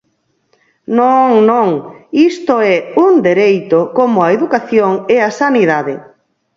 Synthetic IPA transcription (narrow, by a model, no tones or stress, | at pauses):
nõŋnõŋist̪oɛund̪eɾejt̪okomʊaeðukaθjoŋeasaniðaðɪ